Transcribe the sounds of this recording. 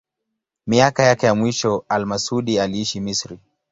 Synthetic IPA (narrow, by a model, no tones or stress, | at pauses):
miakajakɛjamwiʃɔalmasuɗialiiʃimisɾi